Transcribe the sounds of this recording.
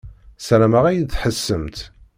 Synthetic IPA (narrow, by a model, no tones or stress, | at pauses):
sæɾæmæʁæjəθħəsːəmt̪